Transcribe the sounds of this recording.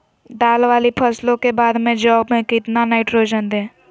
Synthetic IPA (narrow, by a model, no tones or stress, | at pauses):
ɖaːlʋaːlipʰəslõkebaːd̪mẽd͡ʒɔːbmẽkɪt̪nanaːɪʈɾoːd͡ʒənd̪ẽː